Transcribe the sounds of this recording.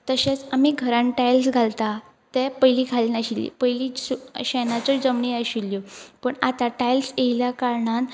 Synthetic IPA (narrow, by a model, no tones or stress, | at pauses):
t̪əɕet͡samiɡʱəɾãɳʈajlsɡʱalt̪a | t̪epəjliːkʰalnaɕilḭpəjliːsuɕenat͡sod͡zəmɳiːaɕilːjopəɳat̪aʈajlsejljakaɾɳan